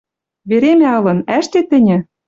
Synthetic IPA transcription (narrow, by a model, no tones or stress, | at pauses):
βeɾemʲæɤ̆lɤ̆næʃt̪ĕt̪ɘ̆nʲɘ̆